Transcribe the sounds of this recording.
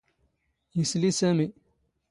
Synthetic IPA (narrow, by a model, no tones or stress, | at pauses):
islisɐmi